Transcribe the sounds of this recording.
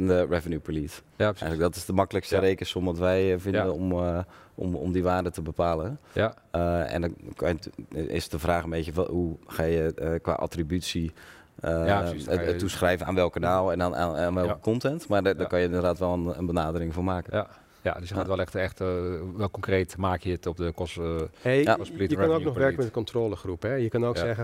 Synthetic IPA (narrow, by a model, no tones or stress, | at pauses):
ndərɛvənjupəliːs | ɛələk̚dɔtɪsdəmɑkələkstəreːkəsomʋɔtʋɛjvɪnddənom | ɔ̰mo̰mdiʋaːrdətəbəpaːlə | ɛ̰ndɔnkaɪ̰sdəvraːxəmeːtəuxaːjəkʋa̰ːʔa̰tribytsi | ausxrɛjvənaːnʋɛlˠkːanaːlˠɛnnnnʋɛlˠkə̥kʰɔntɛntmadakɔnjəɪndərdaːtʋɛlˠənə̰nbənaːdərɪŋfoːmaːkə | ja̰dəsjəaːtʋɛlˠɛxtɛxtʋɛlˠkɔŋkreːtmaːkjəətɔpdəkɔseaslijənoːnɔxʋɛɹkəmɛtkɔntroːləxrupɛjəkønoːksɛɣə